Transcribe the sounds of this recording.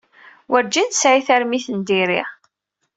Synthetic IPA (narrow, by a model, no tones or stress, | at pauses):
wəɾd͡ʒint̪sʕiθæɾmiθənd̪iɾḭʁ